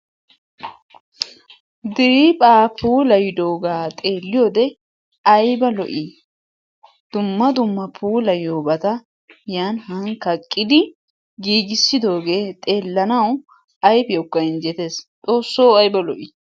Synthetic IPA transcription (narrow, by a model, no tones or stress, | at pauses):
d̪ɪɾiːpʼaːpuːlɐjɪd̪o̞ːɡaːt̪ʼe̞ːlːɪjo̞ːd̪ɛ | ɐjbɐlɔ̰ʔi | d̪̥ʊmːɐd̪ʊmːɐpʰuːlɐjoːbɐt̪ɐ | jaːnhɐŋkɐkʼːɪd̪ɪ | ɡiːɡɪsːɪd̪o̞ːɡe̞ːt̪ʼe̞ːlːɐnɐw | ɐjbjokːɐɪnd͡ʒɛt̪e̞ːst͡sʼo̞ːsːoːɐjbɐlɔʔi